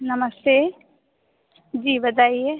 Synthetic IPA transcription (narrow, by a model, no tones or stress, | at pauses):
nɐməst̪eː | d͡ʒiːbət̪aːieː